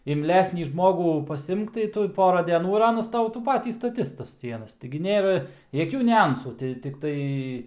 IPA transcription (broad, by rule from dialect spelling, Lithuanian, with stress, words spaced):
ɪmʲˈlʲæːsʲnʲiː ˈʒmoːɡuː pɐsʲˈɪmk tɐɪ ˈtʊ ˈpoːrɐ dʲɛˈnuː ɪr ˈɑːnɐs ˈtɐʊ tuː ˈpɑːtʲiː stɐˈtʲɪs tɐs ˈsʲiɛnɐs tʲɪɡʲɪ ˈnʲeːrɐ jɛˈkʲuː nʲʊˈɐnsuː tʲɪ tʲɪkˈtɐɪ